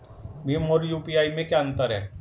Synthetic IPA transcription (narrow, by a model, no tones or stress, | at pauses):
mimoːɾjuːpiaːimẽkjaə̃nt̪əɾɦɛ̰ː